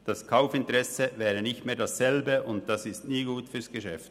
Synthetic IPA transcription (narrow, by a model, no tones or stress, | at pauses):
d̥ɑskʰaʊfɪntəʁɛsəvɛːʁənɪçtmeːɐdassɛlbəʊnt̚d̥asɪstniːɡuːtfyːɐsɡ̥əʃɛft